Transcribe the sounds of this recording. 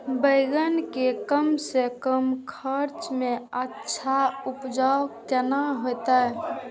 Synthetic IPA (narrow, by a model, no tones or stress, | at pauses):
bəɪɡənkekəmsekəmkʰəɾt͡ʃmẽətːʃʰaupd͡ʒakt̪ənaɦojt̪aɦɛ